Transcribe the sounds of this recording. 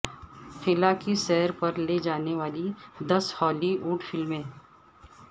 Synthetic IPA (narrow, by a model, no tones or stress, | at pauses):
xɪlakiʃɛɦəɾpɐɾled͡ʒaːneʋaːlid̪ɐshɔːliʔuːʈfɪlmẽː